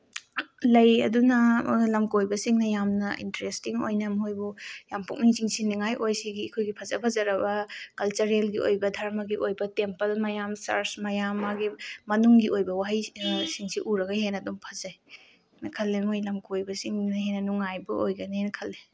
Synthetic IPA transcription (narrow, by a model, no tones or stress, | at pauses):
lɐjɐ̰dunɐlɐmkojbɐsiŋnɐjamnɐʔḭntɾestiŋo̰jnɐmɦojbujampuk̚niŋziŋsiniŋajʔojsiɡikʰojɡipʰɐzɐpʰɐzɐɾɐbɐkɐlt͡ʃɐɾelɡio̰jbɐdʱaɾmɐɡiʔojbɐtempɐlmɐjamsa̰ɾsmɐjamːaɡimɐnuŋɡiojbɐwaɦajsiŋsiʔuɾɐɡɐɦenɐdumpʰɐzaj | nɐkʰɐlːemojlɐmkojbɐsiŋnɐɦenɐnuŋajbɐʔojɡɐnenɐkʰɐlːe